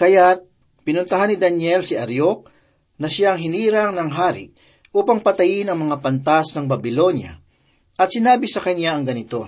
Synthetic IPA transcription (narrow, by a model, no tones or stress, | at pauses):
kɐjat̪̚ | pɪnʊnt̪ɐɦanːɪd̪ɐnjɛlsɪʔɐɾjok̚ | nɐʃaɐŋɦɪniːɾɐŋnɐŋɦaːɾɪ̰ʔ | ʔuːpɐŋpɐt̪ɐjɪnɐŋmɐŋapɐnt̪asnɐŋbɐbɪlo̞njɐ̰ | ʔɐt̪sɪnaːbɪsɐkɐnjaʔɐŋɡɐnɪt̪o̞